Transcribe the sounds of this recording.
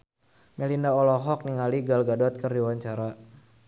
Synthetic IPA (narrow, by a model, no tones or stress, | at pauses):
mɛlindaɔlɔɦɔk̚niŋaliɡalɡadɔt̪̚kərdiwaɲt͡ʃaɾa